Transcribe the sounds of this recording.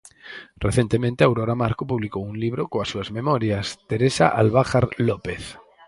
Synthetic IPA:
rʔeθjent̪emẽnt̪eawɾoɾamaɾkopuβlikowunliβɾokoasuazmemoɾjast̪eɾesaʔalβaxaɾlopeθ

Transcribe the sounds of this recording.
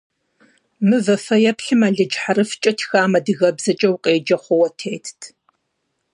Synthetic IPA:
mɨvɐfɐjɛpɬɨmaːɮɨd͡ʒħaɾɨft͡ʃʼɐtʰxaːmɐdɨɣɐbzɐt͡ʃʼɐwqʼeːd͡ʒɐχʷɔwɐtʰeːtʰtʰ

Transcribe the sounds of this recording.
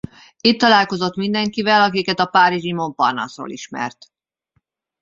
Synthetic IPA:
it̪ːɒlaːlko̞zo̞t̪mind̪ɛŋkivɛlɒkikɛt̪ɒpaːɾiʒimo̞mpɒrnɒ̰sro̰ːlʔiʃmɛ̰rt̪

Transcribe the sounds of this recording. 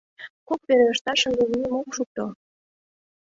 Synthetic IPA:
kok̚peɾeəʃt̪ɑʃə̆nd̪eβijemokʃuk̚t̪o

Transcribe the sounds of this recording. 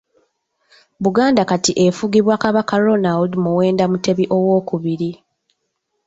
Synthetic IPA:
βuɡaːndakatiʔefuɡiβwakaβakaɾonaldmuwe̞ːndamute̞βiʔo̞wo̞ːkuβiɾi

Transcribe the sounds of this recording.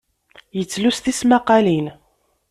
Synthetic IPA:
jət͡sːlust̪ismaqɑlin

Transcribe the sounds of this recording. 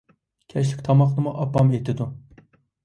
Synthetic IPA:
kʲʰɛʃ̬lɪkʲt̪ʰɑmɑχnɨmuʔɑpːɑmejt̪ʰɪd̪u

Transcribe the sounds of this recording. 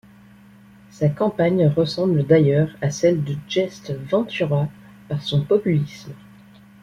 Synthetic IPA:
sakɑ̃paɲʁəsɑ̃bləd̪ajœʁasɛld̪əd͡ʒɛst̪vɑ̃t̪yʁa | paʁsɔ̃pɔpylism

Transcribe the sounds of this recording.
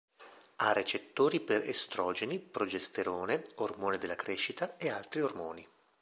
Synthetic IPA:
aret͡ʃet̪ːoːɾiperḛst̪ɾɔd͡ʒenipɾod͡ʒest̪eɾoːneormoːned̪elːakɾeʃːit̪aealt̪ɾiormoːni

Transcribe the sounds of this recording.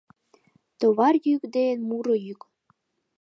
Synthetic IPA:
t̪oβɑrjykd̪enmuɾɤjyk

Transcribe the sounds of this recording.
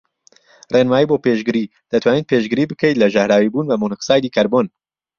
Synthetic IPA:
renwaːjiboːpeʒɡɨɾi | d̪̥ɐt̪ʰwaːned̪̚pʰeʒɡɨɾibɨkʰəjt̪lɐʒɐhɾaːwibuːnbɐmonɨqsaːjd̪iːkʰɐɾbon

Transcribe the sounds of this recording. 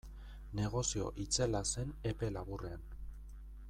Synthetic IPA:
ne̞ɣ̞o̞sio̞̰ʔit͡selase̞ne̞pe̞laβurean

